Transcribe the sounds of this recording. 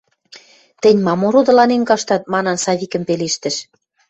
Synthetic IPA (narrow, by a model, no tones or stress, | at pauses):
t̪ɘ̆nʲmɑmoɾod̪ɤ̆lɑnenkɑʃt̪ɑt̪̚mɑnɑnsɑβikə̆mpeleʃt̪ɘ̆ʃ